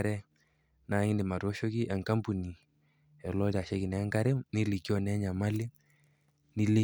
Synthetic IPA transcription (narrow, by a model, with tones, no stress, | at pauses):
ɾɛ˦ | na˨˦ŋi˦ndɪ˨ma˨ɾɔ˦ʃo˦ki˦ʔɛ˨ŋka˦mpu˨ni˨ | ɛ˨lɔ˦ɾi˨a˨ʃɛ˦kɪ˨nɛ˨˦ŋka˦ɾɛ˦ni˦li˨kːi˦ɔ˨nɛ˨˦ɲa˨ma˦li˦ | ni˦li˦